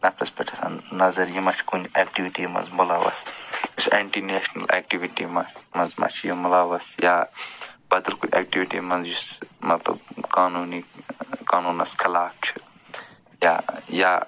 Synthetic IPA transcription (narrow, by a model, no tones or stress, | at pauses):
nɐpɾɐspɐʈʰɐsa̰nnɐzɐɾjimɐt͡ʃʰkuneːkʈiʋiʈimɐ̰nzmolaʋɐ̰sjuseɳʈineːʃnɐ̰lʔḛːk̚ʈiʋiʈimɐmɐnzma̰t͡ʃʰjumulaːʋɐsja | bɐd̪ɐlkunʲɛ̰ːk̚ʈiʋiʈḭmɐnzjusmɐt̪lɐ̰bkaːnuːnikaːnuːnɐ̰skʰɐlaːf̚t͡ʃʰu̥ | jaja